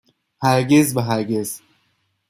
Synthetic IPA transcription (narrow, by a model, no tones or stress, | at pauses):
hæɾɟezvæɦæɾɟez